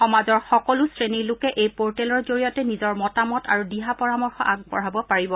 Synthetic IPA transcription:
xɔmazɔɹxɔkɔlʊsɹenilʊkɛʔejpoɹtɛlɔɹzoɹijɔtɛnizɔɹmɔtamɔta̰ɹudiɦapɔɹamɔɹxɔ̰ʔaɡpɔ̰ɹabɔpaɹibɔ

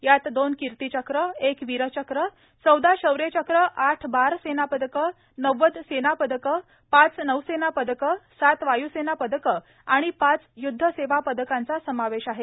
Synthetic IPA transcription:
jat̪d̪onkiɾt̪it͡ɕəkɾəekʋiɾət͡ɕəkɾə | t͡səwd̪aɕəwɾet͡ɕəkɾəʔaʈʰbaɾsenapəd̪əkə | nəʋəd̪senapəd̪əkə | pat͡snəwsenapəd̪əkəsat̪ʋajusenapəd̪əkə | aɽ̃ipat͡sjud̪ʱːəseʋapəd̪əkãnt͡sasəmaʋeɕaɦe

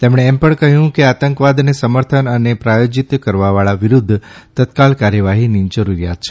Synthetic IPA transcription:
t̪emɽ̃eːmpəɳkəɦjũkeat̪əŋkʋad̪nesəməɾt̪ʰənənepɾajod͡ʒit̪kəɾʋaʋaɭaʋiɾud̪ʱːt̪ət̪kalkaɾjəʋaɦinid͡ʒəɾuɾja̰t̪̚t͡ʃʰe̥

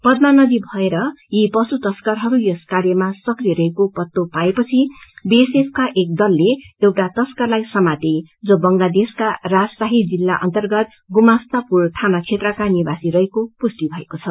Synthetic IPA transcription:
pʌd̪̚manʌd̪ibʱʌeɾʌjipʌsut̪ʌskʌrɦʌɾujʌskarjʌmasʌkrieɾʌɦekopʌt̪ːopaepʌt͡sʰibesepʰkaʔek̚d̪ʌlːeewʈat̪ʌskʌrlajsʌmat̪ed͡zʌbʌŋlad̪eskarad͡zsaɦid͡zilːaʔʌ̰nt̪ʌrɡʌt̪̚ | ɡumast̪apurʈʰanat͡sʰet̪rʌkanibasiɾʌɦekopust̪ibʱʌekot͡sʰʌ

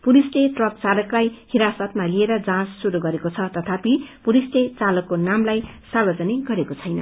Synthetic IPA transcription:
pulisleʈrʌp̚t͡salʌklajhiɾasʌt̪malieɾʌd͡zãsːuɾuɡʌɾekot͡sʰʌt̪ʌt̪ʰapipuɾislet͡salʌkːonamlaj | sarbʌd͡zʌniɡʌɾekot͡sʰʌjnʌ̰

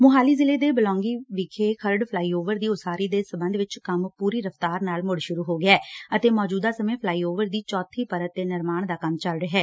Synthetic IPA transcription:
mʊɦaːliːzɪleːd̪eːbəlɔ̃ːŋɡiːʋɪkʰeːkʰəɾɖpʰlaːiːoːʋəɾd̪iːʊsaːɾiːd̪eːsəbənd̪ʋɪt͡ʃkəmpuːɾiːɾəft̪aːɾnaːlmʊɽʃʊɾuːɦoːɡɪɛːət̪eːmɔːd͡ʒuːd̪aːsəmẽːpʰlaːiːoːʋəɾd̪iːt͡ʃɔːt̪ʰiːpəɾət̪̚ːeːnɪɾmaːɳd̪aːkəmt͡ʃəlɾeɦɛː

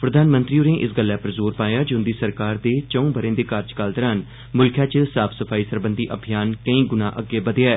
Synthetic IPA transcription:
pɾəd̪ʱaːnmə̃nt̪ɾiːoɾẽːʔɪsɡəlːɛːpəɾzoːɾpaːjaːd͡ʒʊnd̪iːsəɾkaːɾd̪eːt͡ʃəũːbəɾẽːd̪eːkaɾd͡ʒkalt̪əɾaːn | mʊlkʰjãːt͡ʃəsaːpʰsəpʰaːiːsəɾbənd̪iːʔəbʱijaːnkəĩːɡʊnãːʔəɡːeːbəd̪aɛː

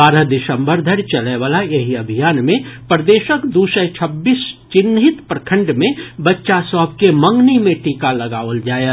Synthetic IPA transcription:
baːɾəɦd̪ɪsə̃mbəɾd̪ʱəɾt͡ʃɐleʋaːlajeɦiɐbʱijaːnmẽpɾəd̪eːʃəkd̪usət͡ʃʰəbːiːst͡ʃɪnːɦɪt̪pɾəkʰə̃ɳɖmẽbɐtːʃasɔːb̚kemə̃ŋɡnimẽʈiːkalɐɡaːʋəld͡ʒaːe

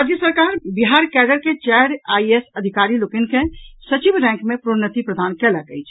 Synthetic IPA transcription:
ɾad͡ʒjəsəɾkaɾbiɦaɾkɛɖəɾket͡ʃɛɾaiesəd̪ʱikaɾilokinkẽsət͡ʃibɾɛ̃ŋkmepɾonət̪ipɾəd̪ʱankɛlakə̰jt͡ʃʰ

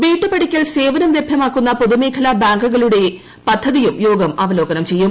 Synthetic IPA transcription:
ʋiːʈːɨpɐɽikʲːɐlse̞ːʋɐnɐmʋjebʱjɐmaːkːunːɐpo̞ðume̞ːkʰɐlabaːŋɡuɣɐɭuɽe̞ | pɐd̪ʱːɐðijumjo̞ːɡɐmɐʋɐlo̞ːɡɐnɐmt͡ɕe̞jːum

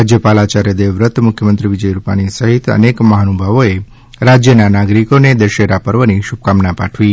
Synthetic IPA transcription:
ad͡ʒjəpalat͡ʃaɾjəd̪eʋɾət̪mʊkʰjəmənt̪ɾiʋid͡ʒəjɾupa̰ɽ̃isəɦit̪ə̰nekməɦanubʱaʋoe | ɾad͡ʒjənanaɡɾikoned̪əʃeɾapəɾʋəniʃub̚kamnapaʈʰʋi

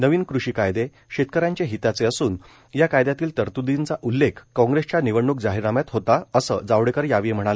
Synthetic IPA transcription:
nəʋiːnkɾuɕiːkajd̪e | ɕet̪̚kəɾjãɲt͡ɕaɦit̪at͡seəsuːn | jakajd̪jat̪iːlt̪əɾt̪ud̪int͡saʔulːekʰkɔ̃ŋɡɾest͡ɕjaniʋəɳːuk̚d͡zaɦiɾamjat̪ɦot̪aəsə̰ːd͡zaʋɽekəɾjaʋim̤əɽ̃alə

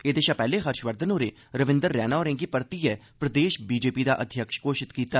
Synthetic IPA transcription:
eːd̪eːʃapɛːleɦəɾʃʋəɾd̪ʱənoːɾe | ɾəʋɪ̃nd̪əɾːɛːnaɔːɾẽːŋɡipəɾt̪iɛpɾəd̪eːʃbiːd͡ʒeːpid̪aʔəd̪ʱjəkʃkoːʃɪt̪kiːt̪aː

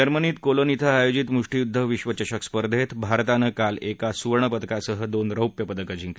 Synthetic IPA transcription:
əɾməniːt̪kolonit̪ʰaajod͡ʑit̪muʂʈijud̪ʱːəʋiɕʋət͡ɕəɕəkspəɾd̪ʱet̪bʱaɾt̪anəkalekasuɾɳəpət̪kasəɦəd̪onɾəwpjəpəd̪əkəd͡ʑiŋk

